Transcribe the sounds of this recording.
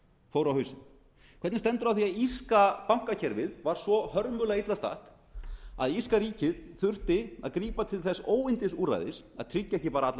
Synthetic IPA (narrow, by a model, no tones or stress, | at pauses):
foːwɾawhœɥsɪn | kʰɛt̪nɪst̪ɛnt̪ʏɾawθiaðiskapawŋ̥kacʰɛɾvɪðvaɾ̥svɔhœɾmʏlait̪last̪a̰ht̪ | a̰ðiskaɾiːcɪðθʏr̥t̪ɪa̰ðkɾiːpat̪ʰɪlθɛsːoːwɪnt̪ɪsuːra̰jðɪs | a̰ðt̪ʰɾɪcːaɛhcɪpaːɾaat̪l